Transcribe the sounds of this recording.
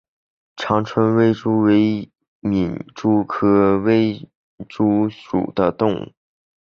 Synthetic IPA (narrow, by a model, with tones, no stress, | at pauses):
ʈ͡ʂʰɑ˧˥ŋʈ͡ʂʰwə˧˥nwe˥˩ɪʈ͡ʂu˥we˧˥ɪ | mi˨˩nʈ͡ʂu˥kʰɤ˥we˥˩ɪ | ʈ͡ʂu˥ʂṵ˨˩d̪̥ə˦t̪ʊ˥˧ŋṵ˥˩